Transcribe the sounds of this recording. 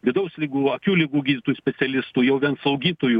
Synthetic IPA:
ʋʲɪd̪ɐʊsʲlʲiɡuːɐkʲuːlʲɪɡuːɡʲiːdʲɪt̪oːjusʲpʲɛsʲɛlʲɪst̪uːjɛʊʋʲiɛnslˠɐʊɡʲiːt̪oːju

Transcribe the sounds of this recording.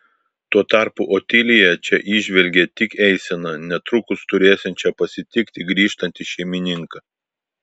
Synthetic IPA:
t̪uɔt̪ɑˑɾpʊʔot̪ʲɪlʲɪjɛt͡ʃʲɛʔɪʒʲʋʲɛlʲɡʲɛt̪ʲɪkɛɪsʲɛnɐnʲɛt̪ɾʊkʊst̪ʊɾʲeːsʲɛnt͡ʃʲɛpɐsʲɪt̪ʲɪkt̪ʲɪɡɾʲiːʃt̪ɐnʲt̪ʲɪʃʲɛɪmʲɪnʲɪŋkɐ

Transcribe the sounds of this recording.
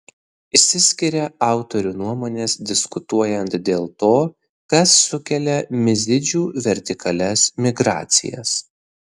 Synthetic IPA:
ɪsʲɪsʲkʲɪɾʲɛɑˑʊt̪ɔɾʲuːnuɔmoːnʲeːsd̪ʲɪskʊt̪uɔjɛnt̪d̪ʲeːlˠt̪oː | kɐsːʊkʲɛlʲɛmʲɪzʲɪd͡ʒʲuːʋʲɛɾʲt̪ʲɪkɐlʲɛsmʲɪɡɾɑ̰ːt̪sʲɪ̰jɛ̰s

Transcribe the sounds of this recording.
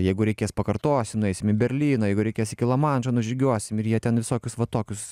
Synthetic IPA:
jɛɪɡʊɾʲɛɪkʲeːspɐkɐrt̪oːsʲɪmnʊɛɪsʲɪmɪbʲɛɾʲlʲiːnoːjɛɪɡʊɾʲɛɪkʲeːsɪkʲɪlˠɐmɑnʒɐnʊʒʲɪɡʲuɔsʲɪmɪɾjiɛt̪ʲɛnʋʲɪsoːkʲʊsʋɐt̪oːkʲʊs

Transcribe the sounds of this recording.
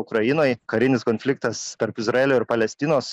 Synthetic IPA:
ʊkɾɐjɪnoːjkɐɾʲɪnʲɪskoːnʲfʲlʲɪkt̪ɐst̪ʲɛɾpɪzɾɐeːlʲoːɪɾpɐlʲɛsʲt̪ʲɪnoːs

